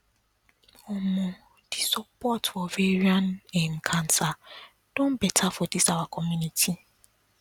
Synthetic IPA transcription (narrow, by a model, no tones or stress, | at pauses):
ɔmʊ̃ | d̥ɪsɔpɔtfɔveɾiãnɛ̃m̩kʰãnsa | d̥ɔ̃m̩bɛtʰafɔdisawakʰɔmjũnitʰi